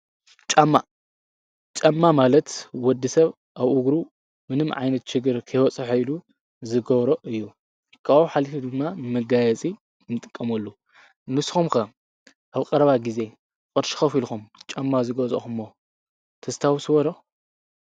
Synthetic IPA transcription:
t͡ʃʼamːa | t͡ʃʼamːamalɐt̪wɔd̪ːisɐβ | ʔaβʔuɡɾu | mɨnɨmʕa̰jnɐt̪ʃɪɡɨɾkʰɐjwɔt͡sʼɐħoilu | zɨɡɐβɾoʔɨjːu | kʰaoħalifid̪ɨmːamɨɡajɛt͡sʼi | nɨt̪ʼɨkʼːɐmɐlːu | nɨsxumkɐ | ʔaβkʼɐɾɐβaɡize̞ | kʼɨɾʃi̥xɐfilxumt͡ʃʼamːazɨɡɐzʼo̰xumːo | t̪ʰɐst̪ʰawsɨβɐlo

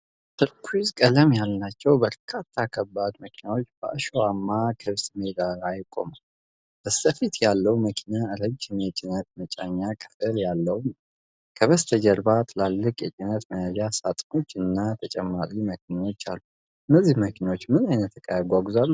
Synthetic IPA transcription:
sɨɾkʰuizkʼələmjalnat͡ʃːɛwbəɾkʰat̪ʰːakʰəbːad̪məkʰinawo̞t͡ʃːb̥ə̰ʔɨʃoamːakʰɨβsmeɡ̪alajkʼo̞̰ma | b̥əst̪əfit̪jalːəwməkʰinaɨɾəd͡ʒɨnjɛt͡ʃʼɪnət̪mət͡ʃʼaɲːakʼʰɨ̥t̪ʼɨljalːəwn | kʰəβəst̪ʰəd͡ʒəɾbat̪ʰɨlalːɨkʼjɛt͡ʃʼɪnət̪məjəd͡ʒasat̪ʼno̞t͡ʃːɨnːat̪ʰət͡ʃʼɛmːaɾiməkʰinawo̞t͡ʃːa̰lːu | ʔɨnːəzːihməkʰinawot͡ʃːmɨnajnət̪ːəkʼəjaɡʷaɡuzalːu

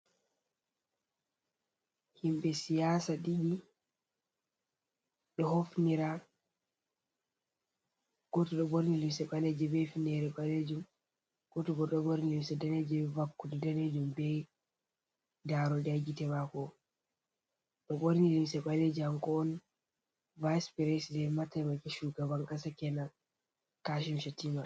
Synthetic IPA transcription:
himbɛsijasaɗiɡi | ɗɔhofniɾa | ɡ̥ɔtɔɗɔboɾnilimsɛɓalɛd͡ʒɛbɛjfinɛɾɛɓaled͡ʒum | ɡ̥otuɡɔɗɔboɾnilimsɛdaned͡ʒɛvakːudɔdaned͡ʒumbɛj | daɾɔdaɡitɛmakɔ | ɗɔboɾnilimsɛɓalɛd͡ʒaŋkɔːn | vajspɛɾɛsdɛmatamakɛʃuɡabaŋkasakɛna | kaʃ̬imʃatima

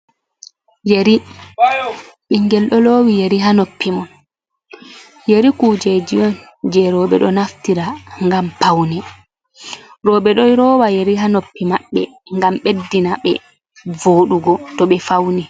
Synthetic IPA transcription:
jeɾi | ɓiŋɡɛlɗɔloːwijeɾiɦanopːimɔn | jeɾikud͡ʒɛd͡ʒijɔn | d͡ʒɛɾɔɓɛ̰ɗɔnaftiɾaŋɡampawnɛ | ɾɔɓɛɗɔjɾɔːwajeɾiɦanopːimaɓːɛ̰ | ŋɡamɓedːinaɓɛ̰ | voːɗuɡɔtɔɓɛfawni

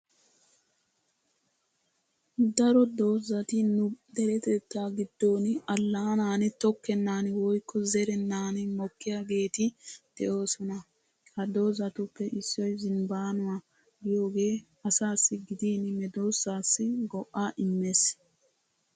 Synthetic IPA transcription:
d̪ɐɾɔd̪o̞ːzɐt̪ɪnʊd̪ɛɾɛt̪ɛt̪ːaːɡɪd̪ːo̞ːnɪɐlːaːnaːnɪt̪ɔkːɛnːaːnɪwɔjkʰːɔzɛɾɛnːaːnɪmɔkːɪjaːɡe̞ːt̪ɪd̪̥ɛʔo̞ːsɔnɐ | kɐd̪o̞ːzɐt̪ʊpːɛʔɪsːɔjzɪnbaːnʊwa | ɡɪjo̞ːɡe̞ː | ɐsaːsːɪɡɪd̪iːnɪmɛd̪o̞ːsːaːsːɪɡɔʔːaːʔɪmːes

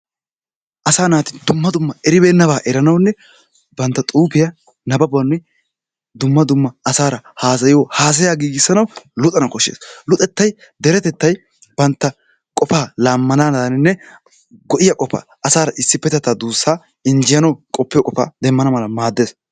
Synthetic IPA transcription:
ʔɐsaːnaːt̪ɪd̪ʊmːɐd̪ʊmːɐɛɾɪbeːnːɐβaːʔɛɾɐnɐwnːɛ | bɐnt̪ːɐt̪ʼuːpɪjɐ | nɐbɐbɐnːʊj | d̪ʊmːɐd̪ʊmːɐɐsaːɾɐhaːs̬ɐjɪjohaːs̬ɐjaːɡiːɡɪsːɐnɐwlʊt̪ʼɐnɐkɔʃːḛːslʊt̪ʼɛt̪ːɐj | d̪ɛɾɛt̪ɛt̪ːɐj | b̥ɐnt̪ːɐ | kʼɔfaːlaːmːɐnanɐd̪ɐnɪnːɛ | ɡɔʔɪjɐkʼɔfa̰ːʔɐsaːɾɐʔɪsːɪpːɛt̪ɛt̪ːaːd̪uːsːaː | ɪnd͡ʒɪjɐnɐwkʼɔpːɪjɔkʼɔfa̰ːd̪ɛmːɐnɐmɐlɐmaːd̪ːeːs

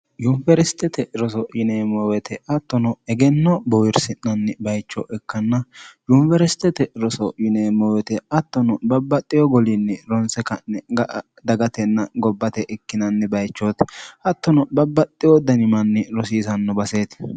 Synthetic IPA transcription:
jʊnfɛɾɛst̪ːɛt̪ɛɾɔs̬ɔjɪneːmɔwɛt̪ʰɛʔɐt̪ːɔnɔɛɡɛnːɔbɔwɪɾsɪnːɐnːɛbɐjt͡ʃːɔʔɛkːɐnːɐjʊnfɛɾɛst̪ːɛt̪ɛɾɔsɔjɪneːmɔwɛt̪ɛɐt̪ːɔnɔbɐbːɐt̪ʼːɪjɔɡɔlinːɛɾɔnsɛkɐnːɛɡɐʔ | d̪ɐɡɐt̪ɛnːɐɡɔbːɐt̪ɛʔɪkːɪnɐnːɛbɐjt͡ʃːot̪ʔɐt̪ːɔnɔbɐbːɐt̪ʼːɪjɔd̪ɐnɪmɐnːɛɾɔs̬iːsɐnːɔbɐseːt̪

